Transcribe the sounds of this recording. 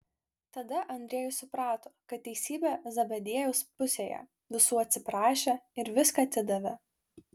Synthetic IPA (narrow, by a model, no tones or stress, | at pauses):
t̪ɐd̪ɐʔɐnʲd̪ʲɾʲeːjʊsʊpɾɑːt̪oːkɐt̪̚ʲtːʲɛɪsʲiːbʲɛːzɐbɐd̪ʲeɛjɛʊspʊsʲeːjɛ̰ | ʋʲɪsuːɐt̪ʲsʲɪpɾɑːʃʲeɪɾʋʲɪskɐt̪ʲɪd̪ɐʋʲɛ